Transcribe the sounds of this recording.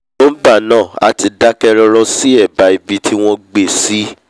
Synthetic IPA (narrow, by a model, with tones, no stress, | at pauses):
no˦ba˦˨nãː˦˨a̰˨ti˧da˦kɛ˧ɾɔ˧ɾɔ˧si˦ɛ˦˨ba˨i˨bi˧tʰi˦w̃ɔ̃˦ɡ͡be˦˨si˦